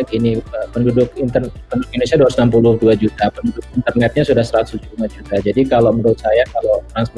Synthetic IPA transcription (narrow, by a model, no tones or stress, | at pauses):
kiniəpəndudʊk̚int̪ərpəndudʊk̚indonisiadusnamp̬ulʊduad͡ʒut̪apəndudʊk̚int̪ərnaɛt̪̚ɲasudahsəɾat̪ʊsd͡ʒuumad͡ʒut̪ad͡ʒadikaloməɾut̪̚sajakalot̪ɾanspɔ